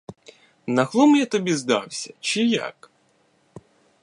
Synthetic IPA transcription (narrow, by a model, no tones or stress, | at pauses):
nɐxlˠɔmjat̪ɔbʲizd̪ɑwsʲɐt͡ʃɪja̰k